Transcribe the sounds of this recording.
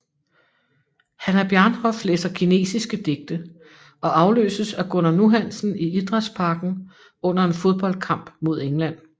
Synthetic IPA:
hænæɐb̥jæɐnhɒ̽fleːsɐkʰine̝̰ːsisɡ̥əd̥e̝ɡ̥̚d̥ə | ʔɒ̽ʔɑ̈ʊlø̰ːsəsæɡ̥onɐnuɦæn̰sn̩iid̥ʁɑd̥ˠspʰɑ̈ːɡ̥n̩ | ɔ̽n̰ɐe̝nfo̝ð̞ˠb̥ɒ̽l̰d̥̚kʰɑ̈m̰b̥mo̝ð̞ˠeŋlæn̰

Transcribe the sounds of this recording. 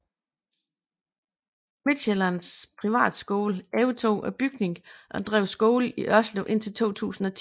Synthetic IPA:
mid̥ɕelɐnspʰʁiʋæ̰ːd̥sɡ̥oːlɛʊt͡sʰo̝̰ːʔɒb̥yɡ̥ne̝ŋʔɒ̽d̥ʁɛ̰ʊsɡ̥ɔːliʔɶɐsloʔe̝n̰t͡sʰe̝lt͡sʰo̝̰ːt͡sʰṵːsn̩ɒ̽t͡sʰ

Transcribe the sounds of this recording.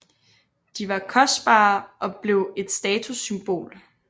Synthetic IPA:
d̥iʋɑ̈kʰɒ̽sd̥b̥ɑ̰̈ːʔɒ̽b̥le̝ʊe̝d̥sd̥ɛːt͡sʰusymb̥o̝̰ːl

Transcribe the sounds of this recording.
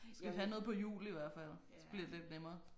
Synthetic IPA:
sɡ̥æʋihænɔ̽ːð̞̩ˠpʰɒ̽jṵːliʋæɐ̰fæl̰ | sb̥liɐ̰d̥ele̝d̥nemɐː

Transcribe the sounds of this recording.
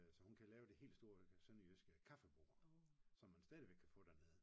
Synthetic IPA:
æsɒ̽hunkʰælɛːʊd̥e̝e̝̰ːl̥sd̥o̝ɐsøniøsɡ̥əkʰɑfəb̥o̝̰ːɐsɒ̽mːænsd̥ɛːðˠiʋeɡ̥̚kʰæfɔ̰̽ːd̥æɐne̝ð̞ˠ

